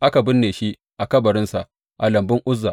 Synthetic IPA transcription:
ʔa˦ka˨bɪ˦nːeː˨ʃi˦ʔ | ʔa˨kɐ˦bɐ˨ɾɪ˦nsa˨ | ʔa˨lɐ˨mbɪ˦ŋʔʊ˦zːa˨

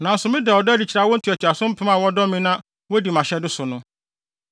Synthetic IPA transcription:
nã˨n̩˦sʊ˨mɪ̃˦dɛ˨ɔ˨dɛ˦dɪ˨t͡ɕʰɾa˦wɔ˦n̩˦tʰæ˨tʰi˨a˨sʊ̃˦m̩˦pʰɪ̃˦m˦ã˨wɔ˦dɔ˦mɪ̃˦nã˦ | wɔ˦di˨mã˨ɕɛ˦dɪ˦sʊ˨nʊ̃˦

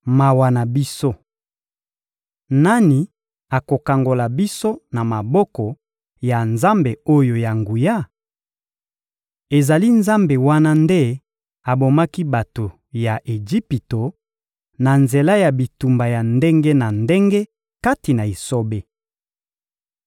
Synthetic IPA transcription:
ma˨wa˨na˨bi˦so˦ | na˦ni˨ | a˨ko˨ka˨ŋɡo˨la˨bi˦so˦na˨ma˨bɔ˦kɔ˨ | ja˨nza˦mbe˨o˦jo˨ja˨ŋɡu˨ja˦ | e˨za˨li˦nza˦mbe˨wa˦na˦nde˦ | a˨bo˨ma˦ki˦ba˨to˨ | ja˨ʔe˨d͡ʒi˦pi˨to˨ | na˨nze˨la˦ja˨bi˨tu˨mba˨ja˨nde˦ŋɡe˦na˨nde˦ŋɡe˦ | ka˦ti˨na˨i˨so˦be˦

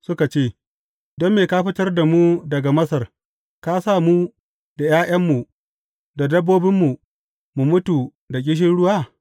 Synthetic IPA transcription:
sʊ˦ka˨t͡ʃeː˦˨ | dɔ˦mːeː˨kaː˦ɸɪ˦tɐ˦rda˨mu˦dɐ˨ɡa˨mɐ˦sɐ˨r | kaː˦saː˦˨mu˦ | da˨jaː˦ʔɐ˦mːu˨ | da˨dɐ˦bːoː˦bɪ˦mːu˨ | mu˨mʊ˦tu˨ | da˨k̬ʲʼɪ˦ʃ̬ɪ˦nɽʊ˦waː˦˨

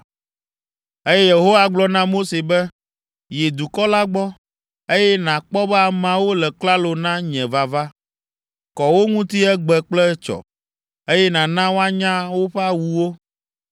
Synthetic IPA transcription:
e˦jɛ˦je˨ɦo˦wa˨ɡ͡blɔ˦nã˦mo˦se˨bɛ˦ | je˨d̪u˨kɔ˦la˦ɡ͡bɔ˦ | e˦jɛ˦nã˨k͡pɔ˦bɛ˦a˨mã˨wo˦lɛ˨kla˦lo˨nã˦ɲɛ̃˨va˨va˦ | kɔ˨wo˦ŋũ˦t̪i˦ɛ˦ɡ͡bɛ˨k͡plɛ˦t͡ʃɔ̰˨ | e˦jɛ˦nã˨nã˦wo˦a˦ɲã˦wo˦ɸɛ˦a˦wu˨wo˦

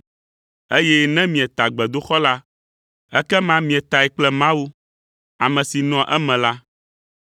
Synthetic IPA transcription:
e˦jɛ˦nɛ̃˦mĩ˨ɛ˨t̪a˨ɡ͡bɛ˨d̪o˦xɔ˦la˦ | ɛ˦kɛ˦mã˦mĩ˨ɛ˨t̪a˨ɛ˨k͡plɛ˦mã˦wu˦ | a˨mɛ̃˨si˨nɔ̃˨ʔɛ˦mɛ̃˨la˦

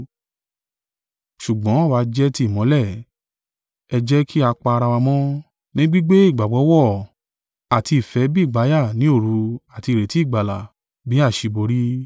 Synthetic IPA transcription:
ʃu˨ɡ͡bɔ̃˨˦a˦˨wa˨˦d͡ʒɛ˦ti˦˨mɔ̃˨˦lɛ˦˨ | ɛ˧d͡ʒɛ˦kʰi˦a˧k͡pa˧ɾa˧wa˧mɔ̃˦ | nĩ˦ɡ͡bi˦ɡ͡be˦i˦˨ɡ͡ba˨ɡ͡bɔ˨˦wɔ˦˨ | a˨ti˧i˨fɛ˨˦bi˦˨ɡ͡ba˨˦ja˦˨nĩ˨˦o˦˨ɾu˧a˨ti˧˨ɾe˨ti˨˦˨ɡ͡ba˨la̰˨ | bi˨˦a˦˨ʃi˧bo˧ɾi˦

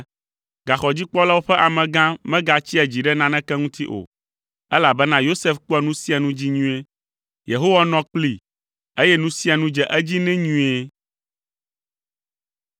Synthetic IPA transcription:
ɡa˨xɔ˨d͡ʑi˦k͡pɔ˦la˦wo˦ɸɛ˦ʔa˨mɛ̃˨ɡã˦mɛ̃˦ɡa˨t͡ɕi˦ɛ˨d͡ʑi˨ɖɛ˦nã˦nɛ̃˦kɛ˦ŋũ˦t̪i˦ʔo̰˨ | ɛ˦la˨bɛ˦nã˦jo˦se˦fk͡po˦ɛ˨nũ˦si˦a˨nũ˦d͡ʑi˦ɲũ˦e˦ | je˨ɦo˦wa˦nɔ̃˦k͡pli˨ | e˦jɛ˦nũ˦si˦a˨nũ˦d͡ʒɛ˨ʔɛ˦d͡ʑi˦nɛ̃˦ɲũ˦e˦

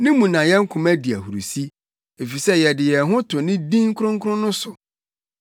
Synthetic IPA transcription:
nɪ̃˦mũ˨nã˨jɛ˦ŋ̩˦kʰʊ̃˨mæ˦di˨æ˨hu˨ɾu˨si˦ | e˨fi˨sɛ˦jɛ˨dɪ˨jɛ˨ɦʊ̃˦tʰʊ˨nɪ̃˦dĩ˦ŋ˦kʰʊ˦ɾʊ̃˦ŋ̩˦kʰʊ˦ɾʊ̃˦nʊ̃˦sʊ˨

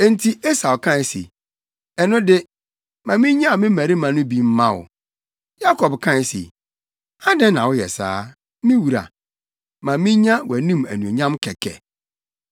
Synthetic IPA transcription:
e˦n̩˦tʰi˦e˦sa˨wkʰã˦˨sḭ˨ | ɛ˨nʊ̃˦dɪ˦ | mã˨mĩ˦ɲã˦˨mɪ̃˦mæ˨ɾi˦mã˨nʊ̃˦bi˦m̩˦mã˦wʊ̰˨ | ja˦kʰɔ˨bkʰã˦˨sḭ˨ | a˦dã˦nːã˨wʊ˦jɛ̰˨sa̰ː˦ | mĩ˦wu˨ɾa̰˨ | mã˨mĩ˦ɲã˦wɔ˨æ˨nĩ˦mæ̰˨nũ˨ɲã˦mkʰɛ˨kʰɛ̰˨

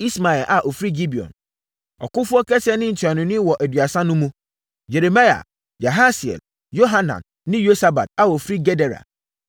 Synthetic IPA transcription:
i˦sma˨ɛ˨lʔa˨ʔo˨fɾi˦ɡi˦bi˨ɔ̰̃˨n | ɔ˨kʊ̃˦fʊ˦ɔ˦kʰɛ˦sɪ˦ɛ˦nɪ̃˦n̩˨tʰi˨a˨nʊ̃˨nɪ̃˦wɔ˨ʔæ˨dɥa˨sã˦nʊ̃˦mũ˦ | je˨ɾe˨ma˦ja̰˨ | ja˨ɦa˦si˨ɛ̰˨l | jo˦ɦa˦nã̰˨nːɪ̃˦jo˦sa˦ba̰˨t̚a˨o˨fɾi˦ɡɛ˦dɛ˨ɾa̰˨

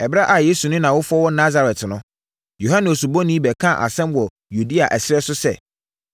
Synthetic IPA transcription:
ɛ˨ba˦ʔa˨jeː˦su˨nʊ̃˦nã˨wʊ˦fʊ˦ɔ˦wɔ˦na˦za˨ɾɛ˨tnʊ̃˦ | jo˨ɦã˦nɪ̃˨o˨su˨bɔ̃˦nĩ˦bɛ˨kʰã˦˨ʔa̰˨sɛ̃˦mwɔ˨ | ju˨di˦a˨ʔɛ˨sɪ˦ɛ˦sʊ˦sɛ̰˨

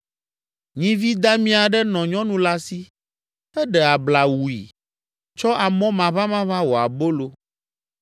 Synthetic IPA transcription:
ɲĩ˦vi˦d̪a˦mĩ˦a˨ɖɛ˦nɔ̃˨ɲɔ̃˦nũ˦la˦si˦ | ɛ˦ɖɛ˨a˨bla˨wu˨ḭ˨ | t͡ʃɔ˦ʔa˨mɔ̃˦mã˨βã˦mã˦βã˦wo˨a˨bo˦lo˦

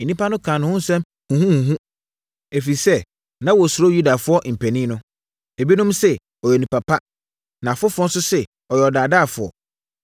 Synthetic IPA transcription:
nĩ˦pʰa˦nʊ̃˦kʰã˨nʊ̃˨hʊ̃˦n̩˦sɛ̃˦m | hũ˨hũ˦hũ˨ɦũ˦ | e˨fi˨sɛ˦ | nã˦wɔ˨sʊ˨ɾo˦ju˦da˨fʊ˦ɔ˦ʔm̩˨pʰæ̃˨nĩ˦nʊ̃˦ | e˨bi˦nũ˦msɛ˦ | ɔ˨jɛ˨nĩ˨pʰa˨pʰa˦ | nã˨fʊ˦fɔ̃˦n˦sʊ˦sɛ˨ | ɔ˨jɛ˨ɔ˨daː˨daː˦˨fʊ˨ɔ̰˨

